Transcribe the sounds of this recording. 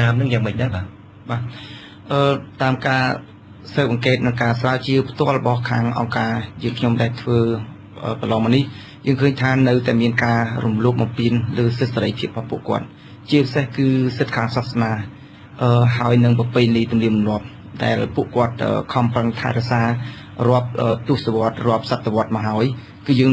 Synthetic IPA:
aːmnɨŋjaːŋmɨc̚ɗaɛɓaː | ɓaː | ʔəːt̪aːmkaː | səːp̚ʔɑŋkeːt̪̚nɨŋkaːsraːət͡ɕiəwpʰt̪ŏəlrɔɓɑhkʰaːŋʔɑ̰ŋkaːjɨəŋkʰɲomɗaɛlt̪ʰʋəː | ʔəːkəlɑːmɑnih | jəːŋkʰəːɲt̪ʰaːnɨwt̪aɛmiənkaːrumloːp̚ɓɑmpiənləːsɨt̪̚saɾəjpʰiəp̚ɓɑhpuəʔkŏət̪̚ | t͡ɕiəpisehkɨːsɨt̪̚kʰaːŋsasmaː | ʔəːɦaɔjnɨŋpɑpɨlit̪umliəmmnŏəp̚ | ɗa̰ɛlpuəʔkŏət̪̚ʔə̰ːkʰɑmpraŋt̪ʰa̰ɛɾɛ̆əsaː | rŏəp̚ʔəːt̪ŭəhsaʋŏət̪̚rŏəp̚sat̪ʰːeʋŏət̪̚mɑɦaəj | kɨːjəːŋ

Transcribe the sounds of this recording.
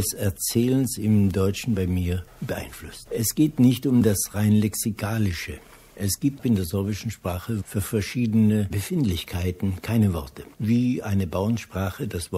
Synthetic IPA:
ɛsɛɐt͡sɛːlənsɪmdɔʏt͡ʃn̩baɪmiːɐbəʔa̰ɪnflʊstʔɛsɡ̥eːtnɪçtʊmdasʁaɪnlɛksikʰaːlɪʃə | ʔɛsɡ̥iːp̚tɪndeːɐzɪɐbɪʃn̩ʃpʁ̥aːχəfyːɐfɛɐʃiːdənəbəfɪntlɪçkʰaɪtn̩kʰaɪnəvɔɐtʰəviːʔaɪnəbaʊənʃpʁ̥aːχədasv̥ɔ

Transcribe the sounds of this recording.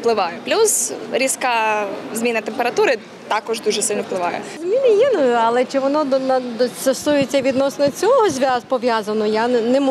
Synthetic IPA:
plˠɪʋɑjɛplʲuzɾʲiskazʲmʲinɐt̪empeɾɐt̪uɾɪ | t̪ɑkɔʒd̪uʒɛsɪlʲnwplˠɪʋɑjɛ̰zʲmʲinɪjinʊjʊɐlˠɛt͡ʃɪʋɔnɔd̪ɔnɐd̪ɔt͡sʲɐsujet͡sʲːɐʋʲid̪nɔsnɔɔt͡sʲɔɦɔzʲʋʲazpɔʋʲjazɐnɔjannɛm

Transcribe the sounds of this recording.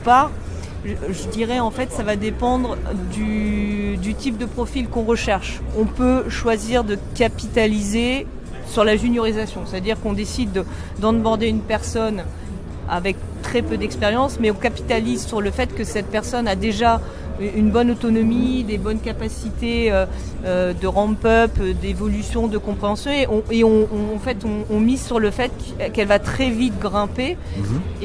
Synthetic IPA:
paʁ | ʒəd̪iʁɛɑ̃fɛt̪savad̪epɑ̃d̪ʁd̪y | d̪yt̪ip̚d̪əpχɔfilkɔ̃ʁəʃɛʁʃɔ̃pøʃwaziʁd̪əkʲapit̪alize | syʁlaʒynjɔʁizasjɔ̃set̪ad̪iʁkɔ̃d̪esid̪ | d̪ɑ̃d̪əbɔʁd̪eynpɛʁsɔn | a̰vɛk̚t̪χɛpød̪ɛkspeʁjɑ̃smɛɔ̃kapi̥t̪alizsyʁləfɛt̪kəsɛt̪̚pɛʁsɔnad̪eʒa | ynbɔnot̪ɔnɔmid̪ebɔnkapasit̪eø | ød̪əʁɑ̃pœpd̪evɔlysjɔ̃d̪əkɔ̃pχeɑ̃sjɔ̃eʔɔ̃eɔ̃ɔ̃ːfɛt̪ɔ̃ːmizsyʁləfɛt̪ | kɛlvat̪χɛvit̪ɡʁɛ̃pe

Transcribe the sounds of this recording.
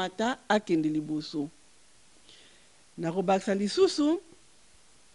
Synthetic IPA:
ataakɛndeliboso | nakobaki̥salisusu

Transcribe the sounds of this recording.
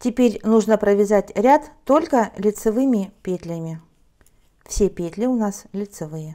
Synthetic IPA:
tʲɪpʲeɾʲnuʐnəpɾəvʲɪzatʲɾʲat̪ːo̞lʲkəlʲɪt̪sɨvɨmʲɪpʲet̪ʲlʲɪmʲɪ | fsʲepʲet̪ʲlʲɪʊnaslʲɪt̪sɨvɨjə

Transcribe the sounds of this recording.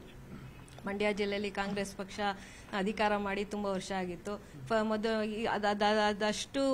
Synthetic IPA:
mɐɳɖjaːd͡ʒilːejɐlːikaːŋɡɾeːspɐkʂɐ | ɐd̪ʱikaːɾɐmaːɽit̪umbɐʋɐɾʂɐaːɡit̪ːu | mɔd̪ɐd̪ɐd̪ɐd̪ɐʂʈu

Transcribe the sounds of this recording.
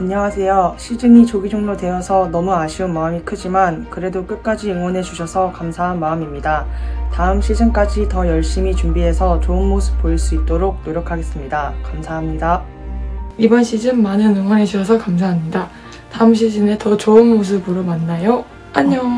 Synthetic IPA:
aɲʌwasʰe̞joɕʰid͡ʑɯmit͡ɕoɡid͡ʑoŋdodwe̞ʌsʰʌnʌmuaɕʰiɯnmaɯmikʰɯd͡ʑimankɯɾe̞dok͈ɯt̚k͈ad͡ʑiɯŋwʌnɦe̞d͡ʑuɕʰʌsʰʌkamsʰaɦanmaɯmimɲidataɯmɕʰid͡ʑɯnk͈ad͡ʑitʌjʌɭɕ͈imit͡ɕumbiɦe̞sʰʌt͡ɕoɯnmosʰɯ̥p̚p͈ːoiɭs͈uit̚t͈oɾok̚noɾjokʰaɡe̞s͈ɯmɲidakamsʰaɦamɲida | ibʌnɕʰid͡ʑɯmːanɯnɯŋwʌnɦe̞d͡ʑuɕʰʌsʰʌkamsʰaɦamɲida | taɯmɕ̬ʰid͡ʑɯne̞tʌt͡ɕoɯnmos̬ʰɯbɯɾomanːajo | aɲʌ

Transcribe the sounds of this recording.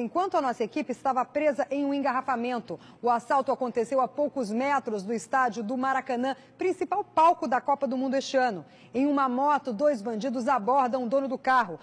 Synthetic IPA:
ẽj̃kwɐ̃nt̪ʊanɔsɐekipɪːst̪avɐpɾezɐʔẽj̃ũẽɡaɦafamẽnt̪ʊ | ʊasawt̪ʊakõnt̪esewapowkʊzmɛt̪ɾʊzd̪ʊɪst̪ad͡ʒjʊd̪ʊmaɾakɐ̃nɐ̃ | pɾĩsipawpawkʊd̪ɐkɔpɐd̪ʊmũnd̪ʊest͡ʃɪɐ̃nʊ | ẽj̃ũmɐmɔt̪ʊd̪ojzbɐ̃d͡ʒid̪ʊzabɔɾd̪ɐ̃w̃ʊd̪õnʊd̪ʊkaɦʊ

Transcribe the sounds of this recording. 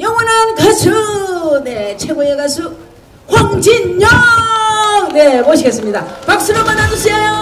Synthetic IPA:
jʌŋwʌnankasʰune̞t͡ɕʰeɡoeɡasʰu | hwaŋd͡ʑinɲʌ | ŋne̞moɕʰiɡe̞s͈ɯmɲidapak̚s͈ɯɾomːanad͡ʑuɕʰiajo

